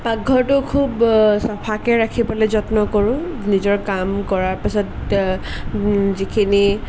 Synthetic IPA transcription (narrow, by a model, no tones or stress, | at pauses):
paɡʱɔɹtʊkʰubsapʰakɛɹakʰipɔlɛzɔtnɔkɔɹʊ̃ | nizɔɹkamkɔɹaɹpisɔt | zikʰini